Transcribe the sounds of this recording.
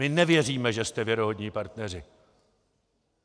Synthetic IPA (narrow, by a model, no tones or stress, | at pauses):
ɪnɛvjɛr̝iːmɛʒɛst̪ɛvjɛɾoɦod̪ɲiːpaɾt̪nɛr̝ɪ